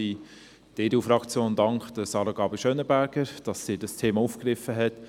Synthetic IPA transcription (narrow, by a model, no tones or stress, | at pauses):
i | d̥eːduːfɾɑkt͡sjoːndɑŋkχd̥əsɑːɾəɡɑːbəʃœnəbæːɾɡ̥əɾd̥ɑsːiːdɑstʰeːmɑufkɾɪfəɦɛt